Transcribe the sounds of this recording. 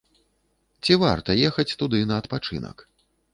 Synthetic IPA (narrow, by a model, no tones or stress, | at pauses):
t͡sʲiva̰rt̪ɐjɛxɐt͡sʲt̪ud̪ɨnɐːt̪pat͡ʂɨ̰nɐ̰k